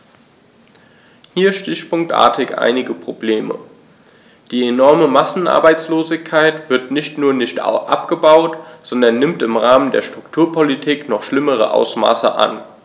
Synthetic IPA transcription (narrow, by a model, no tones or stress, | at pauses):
hiːɐʃtɪçpʊŋk̚tʔa̰ːɐtʰɪkʔa̰ɪnɪɡəpʁ̥obleːmə̰ | d̥iːenɔɐməmasn̩ʔa̰ɐbaɪt͡sloːzɪçkʰaɪtv̥ɪɐtnɪçtnuːɐnɪçtʔa̰pɡ̥əbaʊtz̥ɔndɐnːɪmtɪmʁaːməndḛːɐʃtʁ̥ʊktʰuːɐpʰolitʰiːknɔχʃlɪməʁ̞ə̰ʔa̰ʊsma̰ːsə̰ʔa̰n